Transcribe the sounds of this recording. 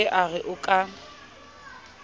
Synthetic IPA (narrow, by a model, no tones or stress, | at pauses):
ɛʔaɣɪʔʊkʼa